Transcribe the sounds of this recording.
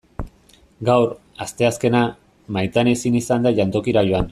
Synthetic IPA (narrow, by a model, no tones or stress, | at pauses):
ɡawɾ | ast̪e̞aske̞na | majt̪anesinisand̪aʝant̪o̞kiɾaʎo̞an